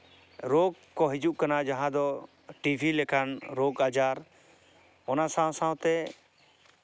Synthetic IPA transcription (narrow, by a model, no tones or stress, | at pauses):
ɾoɡ̚ | kɔɦid͡ʒuʔkanad͡ʒaɦãd̪ɔ | ʈibʱilɛkʰanɾoɡad͡ʒaɾ | ɔnasãw̃sãw̃t̪ɛ